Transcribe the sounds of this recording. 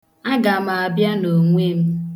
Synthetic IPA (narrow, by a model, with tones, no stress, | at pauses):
a˦ɡa˨m˨a˨bja˦no˨ŋʷe˦m̩˦